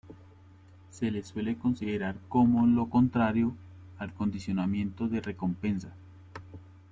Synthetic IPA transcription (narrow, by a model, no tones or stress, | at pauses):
se̞le̞swe̞le̞ko̞nsiðeɾaɾko̞molo̞ko̞nt̪ɾaɾjo̞ | alko̞nd̪isjo̞namje̞nt̪o̞ðe̞re̞ko̞mpe̞nsa